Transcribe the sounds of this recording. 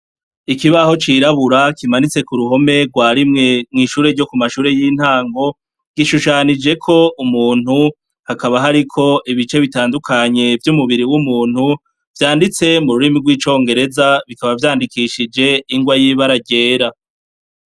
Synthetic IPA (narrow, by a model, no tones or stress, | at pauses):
ikiβaho̞t͡ʃiɾaβuɾakimanit͡se̞kuɾuɦo̞me̞ɡwaːɾimŋemŋiːʃuːɾe̞ɾɟo̞kumaʃuːɾe̞jin̥haːŋɡo̞ | ɡ̥iʃuʃaːnid͡ʒe̞kʰo̞umuːn̥u | hakaβaɦaɾikʰo̞ʔiβit͡ʃe̞βitaːndukʰaɲe̞vjumuβiɾiwumuːn̥hu | v̥jaːndit͡se̞muɾuɾimiɡwiːt͡ʃo̞ːŋɡe̞ɾe̞zaβikaβavjaːndikiʃid͡ʒe̞iŋɡwajiːβaɾaɟe̞ːɾa